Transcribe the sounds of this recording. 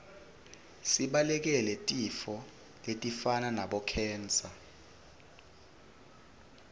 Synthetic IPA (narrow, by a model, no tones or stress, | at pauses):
siɓalɛk̬ɛlɛtʼifɔ | letʼifananaɓɔkʰɛːnt͡sʼa